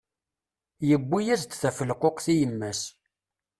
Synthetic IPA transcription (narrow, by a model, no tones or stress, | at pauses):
jəbːijæzt̪θæfəlqoqθijəmːæs